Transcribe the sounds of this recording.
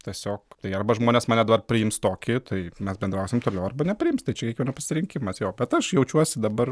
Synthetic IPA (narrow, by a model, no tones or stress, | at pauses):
t̪ʲiɛsʲoːkt̪ɐɪɐrbɐʒmoːnʲeːsmɑːnʲɛd̪ɐbɐrpʲɾʲɪɪmst̪oːkʲɪt̪ʰɐɪmʲɛsbʲɛnd̪ɾɐʊsʲɪmt̪oːlʲɛʊɐrbɐnʲɛpʲɾʲɪɪmst̪ɐɪt͡ʃʲɛkʲiɛkʋʲiɛnɐspɐsʲɪɾʲɪŋʲkʲɪmɐsjoːbʲɛt̪ɐʃjɛʊt͡ʃʲuɔsʲɪd̪ɐbɐr